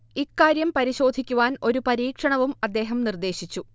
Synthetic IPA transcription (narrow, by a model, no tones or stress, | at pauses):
ikːaːɾjɐmpɐɾiɕo̞ːd̪ʱikʲːuʋaːno̞ɾupɐɾiːkʂɐɳɐʋumɐd̪ːe̞ːɦɐmnird̪e̞ːɕit͡ɕːu